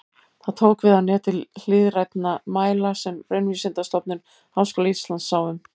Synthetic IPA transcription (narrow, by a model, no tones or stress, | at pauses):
θaðt̪ʰoːwkvɪðanɛːt̪ʰɪll̥ɪðɾajt̪namaːjlasɛmreɥnvisɪnt̪ast̪ɔpnʏn | aːwskɔːlaist̪lansawʏm